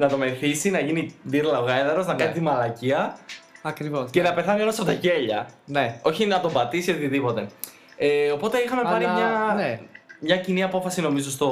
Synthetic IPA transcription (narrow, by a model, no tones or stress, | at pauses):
nɐt̪o̞meθisinɐʝiniðiɾlɐɣɐeðɐɾo̞znɐkɐnit̪et̪imɐlɐciɐɐkɾivosce̞nɐpe̞θɐnikɐnosɐpot̪ɐce̞ʎɐneo̞çinɐt̪o̞bɐt̪isio̞t̪iðipo̞t̪e̞ | eo̞po̞t̪e̞ixɐme̞pɐɾimɲɐnmɲɐciniɐpo̞fɐsino̞mizo̞st̪o